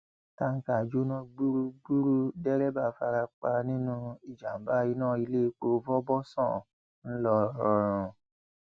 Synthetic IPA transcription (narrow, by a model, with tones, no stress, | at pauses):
ta˦˧ŋ̩˦ka˨d͡ʒo˦nã˦ɡ͡bu˦ɾu˦ɡ͡bu˦ɾu˦dɛ˦ɾɛ˦ba˦˨fa˧ɾa˧k͡pa˧nĩ˦nũ˦i˨d͡ʒa˨m̩˦ba˦i˦nãː˦˨i˧le˦˧˦k͡po˧˦vɔ˦bɔ˦sɔ̰̃˦˨ | n̩˦lɔ˧ɾɔ˧ɾ̃ɔ̃˧